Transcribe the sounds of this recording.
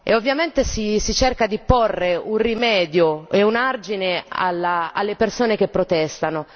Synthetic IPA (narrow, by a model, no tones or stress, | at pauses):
ḛovːjament̪esisit͡ʃerkad̪iporːeunrimɛːd̪joeunard͡ʒinea̰lːaa̰lːepersoːnek̟epːɾot̪ɛst̪ano